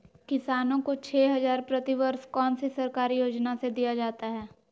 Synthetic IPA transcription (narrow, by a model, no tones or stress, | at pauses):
kɪsaːnõkot͡ʃʰeːɦɐzaːɾpɾɐt̪iʋəɾskɔːnsisɐɾkaːɾijoːd͡ʒnased̪ijad͡ʒaːt̪aɦɛː